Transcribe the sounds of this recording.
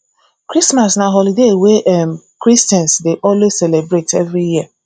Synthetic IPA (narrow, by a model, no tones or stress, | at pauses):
kɾismasnaɦɔlideweʔɛmkɾistɛ̃nsdeʔɔlweselebɾetevɾijia